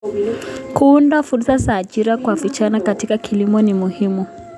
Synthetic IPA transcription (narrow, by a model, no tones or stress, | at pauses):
kuundafuɾsazaːʄiɾakwavit͡ʃanakatikakʰilimɔnimuhimu